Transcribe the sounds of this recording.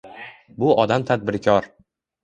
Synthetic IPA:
bʊʔɒd̪amt̪ʰad̪̚bɪɾkʲʰɒɾ

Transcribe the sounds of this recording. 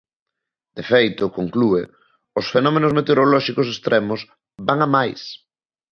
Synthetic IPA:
d̪̥efejt̪ʊkoŋklue | ʊsfenɔmenozmet̪eoɾolɔʃikʊsest̪ɾɛmʊs | baŋamajs

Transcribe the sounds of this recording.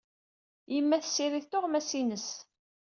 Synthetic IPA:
jəmːæθə̥sːiɾiθt̪oʁmæsinəs

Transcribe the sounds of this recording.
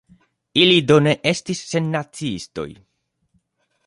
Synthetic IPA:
ilido̞ne̞ʔe̞stisːe̞nːat͡siisto̞̰j

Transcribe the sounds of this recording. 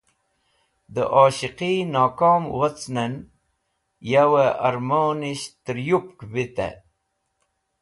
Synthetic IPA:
d̪ə̰ʔoːɕiqinaːkoːmwat͡snen | jaweʔɐɾmoːniɕt̪əɾjupkbit̪ḛ

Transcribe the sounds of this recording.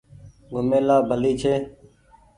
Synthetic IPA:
ɡʱʊmẽːlaːbʱəliːt͡ʃʰeː

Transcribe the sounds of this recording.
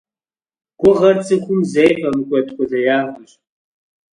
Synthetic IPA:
ɡ̥ʷʊʁɐrt͡sʼɨxʷʊmzejfɐmɨkʷʼɔtkʷʼɔɮɐjaːʁʷʊɕʼ

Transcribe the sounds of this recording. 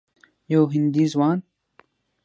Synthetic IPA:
joːɦind̪izwɑːn

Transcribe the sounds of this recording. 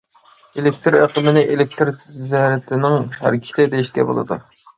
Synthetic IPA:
elɪk̚t̪ɾeqʰəmɪnɪʔelɪk̚t̪ɾzɛɾɪt̪ʰɪnɪŋɦæ̰ɾkʲʰi̥lɪd̪ejiʃkʲɛ̰bo̰lˠɨ̰d̪ṵ

